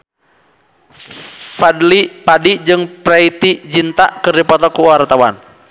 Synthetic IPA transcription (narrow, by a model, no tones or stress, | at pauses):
fadlipadid͡ʒɨŋpɾait̪id͡ʒint̪aʔkɨrdipɔt̪ɔkuaɾt̪awan